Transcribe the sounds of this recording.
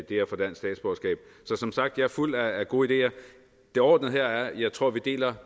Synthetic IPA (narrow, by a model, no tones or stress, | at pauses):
id̥e̝̰ːɐfɒ̽d̥æn̰sd̥ɛ̰ːd̥sb̥ɒːsɡ̥ɛ̰ːb̥̚sɒ̽sɒ̽msɑ̈ɡ̥̚d̥jɑ̈æɐful̰æːɡ̥o̝ːid̥e̝̰ːɐ | d̥e̝ɒ̰ːd̥n̩ˠɦeɐ̰æɐjɑ̈ɪt͡sʰʁo̝ɐ̰ʋid̥e̝̰ːlɐ